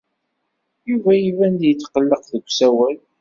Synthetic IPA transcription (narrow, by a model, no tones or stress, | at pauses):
juvæjivænd̪jət͡sːqəlːəqðəɡʷːsæwæl